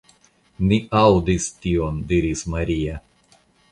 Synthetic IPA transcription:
miawd̪ist̪ʲiond̪iɾismaɾʲija

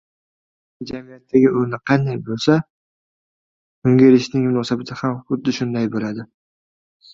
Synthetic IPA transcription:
d͡ʒamɪjat̪ʰːaɡʲɪʊɾnɪqʰɑnd̪ajbolˠsa | kʊŋɡʲeɾɪʃnɪŋmʊnɒːsabat̪ʰɪhamχʊd̪ːɪʃʊnd̪ajbolad̪ɪ

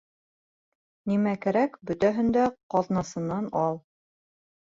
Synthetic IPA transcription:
nimækæɾækbɵ̆t̪æɦɘ̆nd̪æqɑðnɑsɤ̆nːɑnɑlˠ

